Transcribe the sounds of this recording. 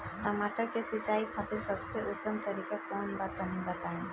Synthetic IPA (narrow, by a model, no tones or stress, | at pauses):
sɐmaːʈəɾkesɪt͡ʃaːikʰat̪ɪlsəbseʔʊt̪ːəmt̪əɾiːkakɔːnbat̪anɦĩbɐt̪aːẽː